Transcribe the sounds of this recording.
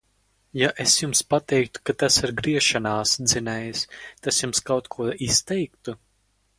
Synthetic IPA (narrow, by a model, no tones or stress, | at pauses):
jaʔesjumspat̪ɛjk̚t̪u̥kat̪asiɾɡɾiɛʃanaːsd̪zinɛjst̪asjumskawt̪kʰuɔʔist̪ɛjkt̪u